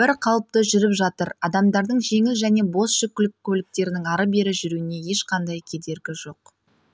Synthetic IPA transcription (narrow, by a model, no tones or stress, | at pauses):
bɪɾqʰɑlˠəp̚t̪əʒʏɾɪpʒɑt̪əɾɑd̪ɑmd̪ɑɾd̪əɴʒe̞ŋɪlʒæne̞bo̞sʃɪkʲːʏlɪkʲʰːɵlɪk̚t̪e̞ɾɪnɪŋɑɾəbe̞ɾɪʒʏɾuɪne̞je̞ʃqɑnd̪ɑjkʲʰe̞d̪e̞ɾɡʲɪʒo̞q̚